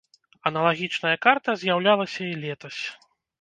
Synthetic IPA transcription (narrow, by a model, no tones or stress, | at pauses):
ɐnɐlˠaɣʲit͡ʂnɐjɐkart̪ɐzʲjawlʲalˠɐsʲɐilʲɛt̪ɐsʲ